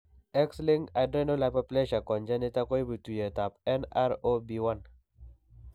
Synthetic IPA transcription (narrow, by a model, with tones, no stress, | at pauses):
ɛ˦kslɪ˦ŋɡa˨dɾɛ˦no˦la˦pa˦plɛ˦ʃa˨kɔ˨ɲd͡ʒa˦nɪ˦ta˦kɔ˦i˦bu˨tu˨je˨ta˨pɛ˦na˦ɾo˦bi˨wa˦n